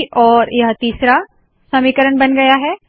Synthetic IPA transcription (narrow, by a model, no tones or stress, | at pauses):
ʔɔːɾjɐɦət̪iːsɾa | sɐmiːkəɾəɳbɐnɡɐjaɦɛː